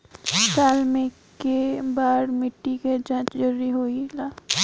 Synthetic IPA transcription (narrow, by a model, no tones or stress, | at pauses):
saːlmẽ | kebaːɽmɪʈːiket͡ʃãːt͡ʃd͡ʒɐɾːiɦoːilaː